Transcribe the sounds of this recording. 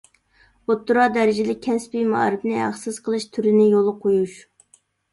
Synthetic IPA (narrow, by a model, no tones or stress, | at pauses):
ot̪ːuɾɑd̪ɛɾɪd͡ʒɪlɪk̚ʲʰːɛspimɑɑ̰ɾɨpnɪɦæ̰χsɨz̥qʰəlˠɨʃt̪ʰyɾɪnɪjolˠʊqʰojuʃ